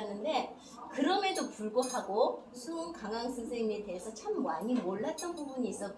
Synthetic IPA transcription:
nɯnde̞ | kɯɾʌmedopuɭɡopʰaɡosʰuoŋkaŋaŋsʰɯnsʰeŋie̞te̞ɦesʰʌt͡ɕʰamːaɲimoɭːat͈ʌnbubuɲiːs͈ʌt͈̚

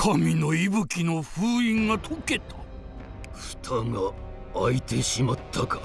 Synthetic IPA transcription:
kʰamʲino̞ibɯ̟kʲino̞ɸɯːĩŋɡat̪ʰoke̞t̪ʰḁ | ɸɯ̥t̪ʰaŋaː | it̪e̞ɕimat̪ʰːakḁ

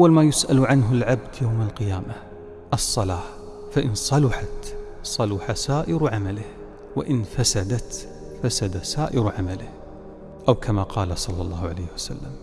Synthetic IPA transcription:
ʔawːalmajʊsʔalʕanɦʊlʕabd̪jawmalqɪjaːma | ʔɑsˤːɑlaː | faʔɪnsˤɑlʊħat̪sˤɑlʊħasaːʔɪɾʕamalɪh | wɪ̰ʔɪnfasad̪at̪ | fasad̪asaːʔɪɾʕamalɪh | ʔawkʰamaqʰɑːlasˤɑlːɑlˤːɑːhʕa̰lajːhwasa̰lːam

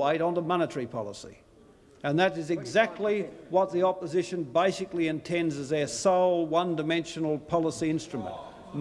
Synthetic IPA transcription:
eɪɾ̃n̩ðəmɑnɨɾə˞ipʰɑ̰lˠəsḭ | ɨ̃nðɨɾɨzɨɡzæk̚tʰˡliwʌt̪̚ðiɑpəzɪʃɨ̃nbeɪsɨkliɨ̃ntʰɛ̃ndzɨzə˞soʊlˠwʌ̃ndɨmɛ̃nʃɨn̩l̩ˠpʰɑlˠəsiɪ̃nstɹ̥ɨmə̰̃nʔ̚ | m

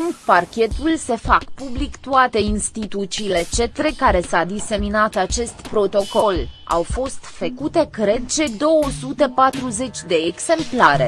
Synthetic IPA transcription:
parkʲe̞t̪ulse̞fakpublikt̪uat̪e̞inst̪it̪ut̪siːle̞t͡ʃe̞t̪ɾekaɾe̞sad̪ise̞minat̪at͡ʃe̞st̪pɾo̞t̪o̞ko̞la̰wfo̞st̪fəkut̪e̞kɾe̞d̪̚t͡ʃe̞d̪o̞wəsut̪e̞pat̪ɾuze̞t͡ʃʲd̪e̞ːɡse̞mplaɾe̞

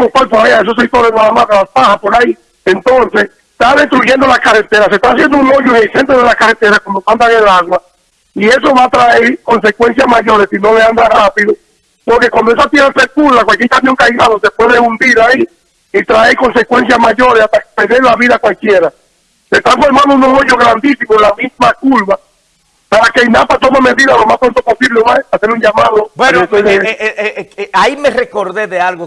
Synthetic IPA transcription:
mokwelpoaeaes̬osek̚t̪oɾesmaamakalaspahapoɾai | ent̪o̞nses | t̪aðe̞st̪ɾuʝe̞nd̪olaskaret̪eɾas̬e̞st̪aas̬jend̪ouŋoɲoesent̪oðelaskaret̪e̞ɾaskomopand̪aŋelaɣwa | ie̞so̞βat̪ɾaeɾkonse̞kwe̞ns̬jasmaʝo̞ɾesino̞leand̪arapiðo | poɾke̞kwand̪oesat̪jeɾasekulakwalkjeɾkamjo̞ŋkajɣaðose̞pwe̞ðeund̪iɾai | it̪ɾaeko̞nse̞kwe̞ns̬jamaʝo̞ɾesast̪apeɾðeɾlaβiðakwalkje̞ɾa | se̞st̪aɱfoɾmãnd̪ounosoɲoɣɾand̪isimolamismakulβa | paɾakejnapat̪omame̞ðiðalo̞maspɾont̪opo̞siβleesase̞ɾuɲd͡ʒamaðobweot̪ese | aimerekoɾðeðealɣo

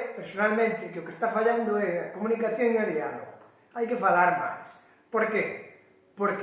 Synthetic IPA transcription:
peɾsonalmẽnt̪ɪkɪokest̪afaʎand̪oɛakomũnikaθjõŋaðialo̰ɣ | ajkefalaɾma̰js | poɾke | poɾk

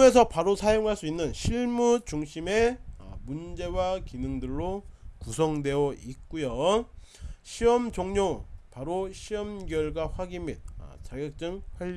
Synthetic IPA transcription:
es̬ʰʌpaɾosʰajoŋɦaɭs͈uinːɯnɕʰiɭmut͡ɕuŋɕʰime̞mund͡ʑe̞wakinɯŋdɯɭːokusʰʌŋdwe̞jʌit̚k͈ujo | ɕʰiʌmd͡ʑoŋɲopaɾoɕʰiʌmɡjʌɭɡaɸwaɡimːit̚ʌ̰t͡ɕaɡjʌk̚t͡ɕ͈ɯŋɸwaʎː

